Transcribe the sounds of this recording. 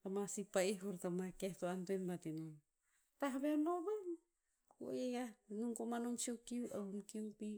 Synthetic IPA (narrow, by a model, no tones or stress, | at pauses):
tamasipaiɦoɾtamakehtoantuenbatinon | taɦaβenoβan | ko̰jejanuŋkomanonsiowkiuʔaumkiuŋpi